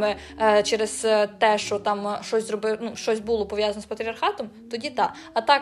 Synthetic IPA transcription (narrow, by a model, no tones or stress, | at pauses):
mɪ | t͡ʃɛɾeɛz̥t̪ɛʃt͡ʃɔt̪ɑmʃt͡ʃɔsʲzrɔbɪnuʃt͡ʃɔsʲbulˠɔpɔʋjazɐnɔspɐt̪ʲɾʲiɐrxɑt̪ɔmt̪ɔdʲit̪ɑ | ɐt̪ɑk